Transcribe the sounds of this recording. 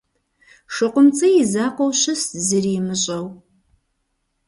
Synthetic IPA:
ʂɨqʷʊmt͡sʼɨjizaːqʷowɕɨstzɨrimɨɕʼɐw

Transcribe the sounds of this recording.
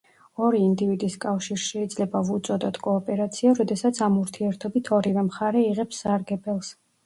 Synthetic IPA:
ɔɾiːnd̪ivid̪iskʼafʃiɾʃɛid̪zlɛbavut̪sʼɔd̪ɔt̪ʰkʼɔːpʼɛɾat̪sʰiaɾɔd̪ɛsat̪sʰamuɾt̪ʰiɛɾt̪ʰɔbit̪ʰɔɾivɛmχaɾɛiʁɛpsːaɾɡɛbɛlˠs

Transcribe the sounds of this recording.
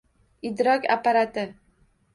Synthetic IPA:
ɪd̪ɾɒkʲa̰pːaɾat̪ɪ

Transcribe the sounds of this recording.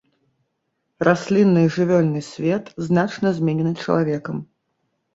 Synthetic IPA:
rʔasʲlʲinːɨjʐɨvʲɔlʲnɨsʲvʲɛt̪znat͡ʂnɐzʲmʲɛnʲɛnɨt͡ʂɐ̰lˠavʲɛkɐm

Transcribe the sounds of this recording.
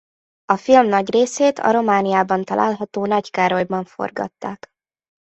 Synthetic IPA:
ɒfilmnɒɟreːseːt̪ʰɒ̰ɾo̞maːnijaːbɒnt̪ɒlʔa̰ːlɦɒt̪oːnɒckaːɾo̞jbɒɱfo̞̰rɡɒ̰t̪ːa̰ːk

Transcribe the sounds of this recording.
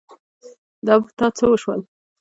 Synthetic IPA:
d̪ɑbt̪ɑt͡səwəʃwəl

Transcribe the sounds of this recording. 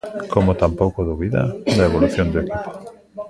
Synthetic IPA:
kʰomot̪ampowkoðuβiða̰d̪aeβ̞oluθjond̪uekipo̥

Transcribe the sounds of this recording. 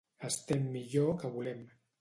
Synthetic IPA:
əst̪emːiʎokəβulɛm

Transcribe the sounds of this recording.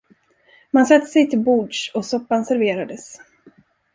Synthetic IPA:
mansat̪ʰːə̥sɛjt̪ʰɪlbuːɖʂɔsɔpːansæɾveːɾad̪əs

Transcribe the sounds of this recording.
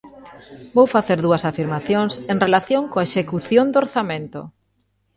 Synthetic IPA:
bowfaθeɾðuɐsafiɾmaθjoŋseŋrelaθjoŋkoaeʃekuθjond̪oɾθamẽnt̪ʊ̰

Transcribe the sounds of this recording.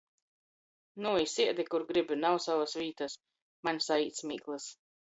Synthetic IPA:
nuisiɛd̪ikuɾɡɾibinawsavasvʲiːt̪as | manʲsaiːt̪smiːklˠɨs

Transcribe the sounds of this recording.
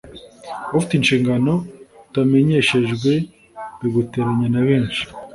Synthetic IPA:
afitinʃiːŋɡano̞tame̞ɲe̞ʃe̞ʒɡwe̞ | βeɡuteɾaɲanaβe̞ːnʃi̥

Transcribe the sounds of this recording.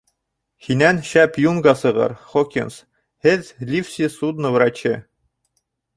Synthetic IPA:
hinænɕæpjuŋɡɑsɤ̆ʁɤ̰ɾχokʲins | hɘðlʲifsʲisud̪nɤ̆vɾɑt͡ɕɘ

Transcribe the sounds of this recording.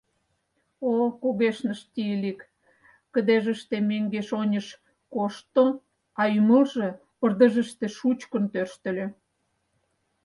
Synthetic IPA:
okuɣeʃnəʃt̪iəlik | kəd̪eʒə̆ʃt̪emeŋɡeʃonʲəʃ | koʃt̪o | ɑyməlʒĕ | pə̆rd̪ə̆ʒə̆ʃt̪eʃut͡ɕkə̆nt̪ørʃt̪ə̆lʲe

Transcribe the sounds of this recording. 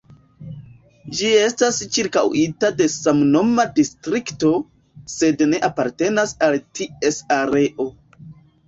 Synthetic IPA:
d͡ʒie̞stast͡ʃiɾkawitade̞samno̞madistɾikto̞ | se̞dne̞ʔapaɾte̞nasaltie̞saɾe̞ʔo̞

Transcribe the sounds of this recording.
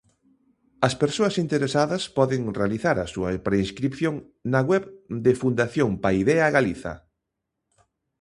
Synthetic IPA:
ɐspeɾsoɐsint̪eɾesaðɐspɔðɪŋrealiθaɾɐsuɐpɾeinskɾipθjoŋ | nɐɣwɛβd̪ɪfund̪aθjoŋpaiðɛɐɣaliθɐ̰

